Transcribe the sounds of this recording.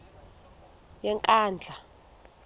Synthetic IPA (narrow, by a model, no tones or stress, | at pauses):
jɛŋkʼaːnd͡ɮʱa